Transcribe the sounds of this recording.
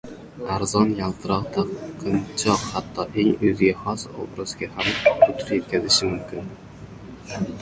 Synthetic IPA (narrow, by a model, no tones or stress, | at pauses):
aɾzɒnjalˠt̪ʰɨɾɒqt̪ʰaqʰɨnt͡ʃʰɒqhat̪ʰːɒʔe̞ŋɵzɡʲaχɒso̰bɾɨzɡʲahamʊt̪ʰʊɾje̞t̪̚kʲazɪʃɪmʊmkʲɪn